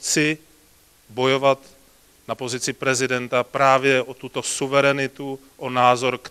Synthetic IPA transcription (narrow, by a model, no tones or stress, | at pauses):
t͡sɪ | bo̞jo̞vat̪ | napo̞zɪt͡sɪpɾɛzɪdɛnt̪apɾaːvjɛʔot̪ut̪o̞suvɛɾɛnɪt̪u | ʔonaːzo̞ɾk